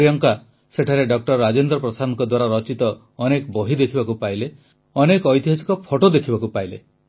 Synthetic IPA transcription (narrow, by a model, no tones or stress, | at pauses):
ijɔŋka | seʈʰaɾeɖɔk̚ʈɔɾɾad͡ʒend̪ɾɔpɾɔsanɔŋkɔd̪waɾaɾɔt͡ʃit̪ɔː | nekɔbɔɦid̪ekʰibakupaile | ɔnekɔjt̪iɦasi̥kɔpʰoʈod̪ekʰibakupailḛ